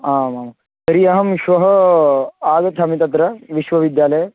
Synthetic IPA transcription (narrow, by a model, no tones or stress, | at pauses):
aːmamɐ | t̪ɐɾijɐɦɐmʃʋɐɦɐ | aːɡɐt̪ʰɦɐmit̪ɐt̪ɾɐʋiʃʋɐʋid̪jaːlɐj